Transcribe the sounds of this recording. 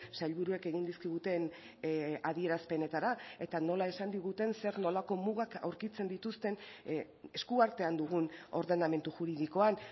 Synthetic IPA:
sajʎβuɾue̞ke̞ɣind̪iskiɣ̞ut̪e̞n | aðie̞ɾaspe̞ne̞t̪aɾae̞t̪ano̞lae̞sand̪iɣ̞ut̪e̞nse̞ɾno̞lako̞muɣaka̰wɾkit͡se̞nd̪it̪ust̪e̞n | e̞skuaɾt̪e̞and̪uɣ̞uno̞̰ɾðe̞name̞nt̪uʝuɾiðiko̞an

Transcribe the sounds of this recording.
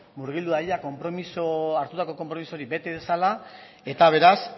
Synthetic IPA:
muɾɣild̪uajako̞mpɾo̞misoaɾt̪ut̪ako̞ko̞mpɾo̞misoɾibe̞t̪e̞ðe̞sala | e̞t̪aβ̞e̞ɾas

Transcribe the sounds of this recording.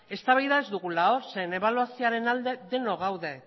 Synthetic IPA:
e̞st̪aβajðae̞zd̪uɣulaosene̞βaluasioaɾe̞nald̪e̞ðe̞no̞ɣ̞awðe̞

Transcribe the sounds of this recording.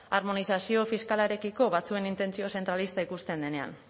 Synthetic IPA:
aɾmo̞nisasio̞fiskalaeɾe̞kiko̞βat͡sue̞nint̪e̞nt͡sio̞se̞nt̪ɾalist̪aikust̪e̞nd̪e̞ne̞a̰n

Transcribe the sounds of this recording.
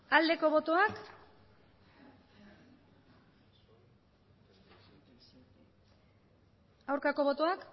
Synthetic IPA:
ald̪e̞ko̞βo̞t̪oak | awɾkako̞βo̞t̪oak

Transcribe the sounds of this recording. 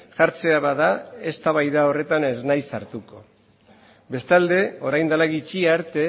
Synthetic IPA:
ʝaɾt͡se̞aβaðae̞st̪aβajðao̞re̞t̪ane̞znajsaɾt̪uko̞ | be̞st̪ald̪e̞o̞ɾajnd̪alaɣit͡ʃiaɾt̪e̞

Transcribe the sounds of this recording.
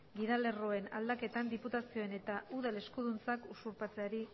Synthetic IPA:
ɡiðale̞ro̞e̞na̰ld̪ake̞t̪and̪iput̪asio̞e̞ne̞t̪aʔuðale̞skuð̞unt͡sakusuɾpat͡se̞aɾi

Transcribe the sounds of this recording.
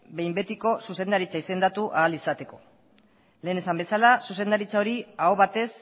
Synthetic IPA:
be̞jmbe̞t̪iko̞suse̞nd̪aɾit͡saise̞nd̪at̪uʔaːlisat̪e̞ko̞ | le̞ːne̞sambe̞salasuse̞nd̪aɾit͡sao̞ɾiaoβat̪e̞s

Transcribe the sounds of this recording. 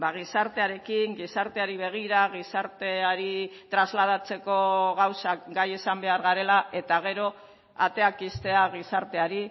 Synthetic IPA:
baɣ̞isaɾt̪e̞aɾe̞kiŋɡisaɾt̪e̞aɾiβ̞e̞ɣ̞iɾaɣ̞isaɾt̪e̞aɾit̪ɾazlað̞at͡se̞ko̞ɣawsakɡajesambe̞aɾɣaɾe̞laʔe̞t̪aɣ̞e̞ɾo̞ | a̰t̪e̞akist̪e̞aɣ̞isaɾt̪e̞aɾi

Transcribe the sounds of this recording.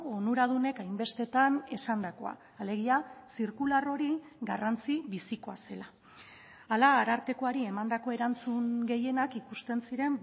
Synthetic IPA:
onuɾað̞une̞kajmbe̞st̪e̞t̪ane̞sand̪ako̞a̰ | ale̞ɣ̞iasiɾkularo̞ɾi | ɣarant͡siβisiko̞ase̞la | alaːɾaɾt̪e̞ko̞aɾie̞mand̪ako̞e̞ɾant͡suŋɡe̞je̞nakikust̪e̞nsiɾe̞m

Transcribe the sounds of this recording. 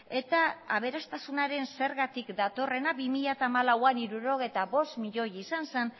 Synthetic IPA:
e̞t̪aːβ̞e̞ɾast̪asunaɾe̞nse̞ɾɣat̪ikd̪at̪o̞re̞nabimiʎat̪aːmalawaniɾuɾo̞ɣ̞e̞jt̪aβo̞st̪miʎo̞jisansen

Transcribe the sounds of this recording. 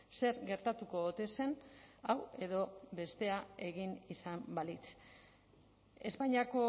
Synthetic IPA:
se̞ɾɣe̞ɾt̪at̪uko̞ot̪e̞se̞nawe̞ðo̞βe̞st̪e̞ae̞ɣinisambalit͡s | e̞spajɲiako̞

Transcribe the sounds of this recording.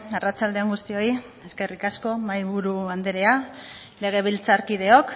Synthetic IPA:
arat͡ʃald̪eeŋɡust̪io̞i | e̞ske̞rikasko̞majβuɾuand̪eɾe̞a | le̞ɣ̞e̞β̞ilt͡saɾkið̞e̞o̞k

